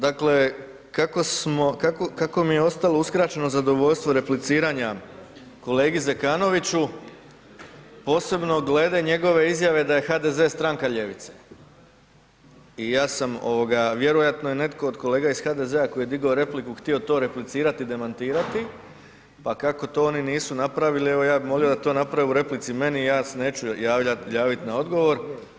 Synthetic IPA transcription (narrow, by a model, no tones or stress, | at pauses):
d̪akle̞ | kako̞smo̞kakokako̞mijeo̞st̪alo̞uskɾaːt͡ɕe̞no̞zad̪o̞ʋo̞ʎʲst̪ʋo̞ɾe̞plit̪siːɾaɲa | ko̞le̞ːɡizekaːno̞ʋit͡ɕu | po̞ːse̞bno̞ɡle̞ːd̪eɲe̞ɡo̞ʋe̞izjaʋe̞d̪aje̞xad̪e̞ze̞ːst̪ɾaŋkaʎe̞ʋḭt̪se̥̰ | ijaːsamo̞̰ʋoɡaʋje̞ɾojat̪nojene̞t̪ko̞ːd̪ko̞le̞ːɡaisxaːd̪e̞zeako̞jije̞d̪iɡaoɾe̞plikuxt̪io̞t̪o̞ːɾe̞plit̪siːɾat̪id̪e̞mant̪iːɾat̪i | pakako̞t̪o̞ːo̞niniːsunapɾaʋilie̞ʋo̞jaːbimʋo̞liod̪at̪o̞ːnapɾaʋeuɾe̞plit̪sime̞niːjaːsene̞ːt͡ɕujaːʋajaːʋit̪nao̞d̪ɡo̞ʋo̞ɾ